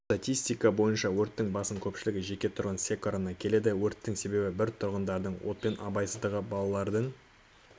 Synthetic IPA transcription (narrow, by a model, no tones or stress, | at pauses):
t̪at̪ʲijst̪ijkɑbo̞jənʃɑwɵɾt̪ːɪŋbɑsəŋkʲʰɵpʃɪlɪɡʲɪʒe̞kʲe̞t̪ʰʊɾʁənsʲe̞koɾənɑkʲʰe̞le̞d̪ɪwɵɾt̪ːɪŋse̞be̞bɪbɪɾt̪ʰʊɾʁənd̪ɑɾd̪əɴwot̪̚pe̞nʔɑ̰bɑjsəzd̪əʁəbɑlˠɑlˠɑɾd̪əɴ